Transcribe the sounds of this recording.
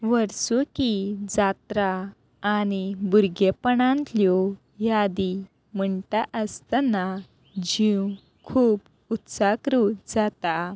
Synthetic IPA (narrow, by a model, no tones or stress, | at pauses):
ʋəɾsukid͡zat̪ɾaː | nibuɾɡepəɳãnt̪ljɔ | jad̪i | m̤əɳʈaʔəst̪ana | d͡ʑĩ | kʰuːp | ut̪sakɾud͡zat̪a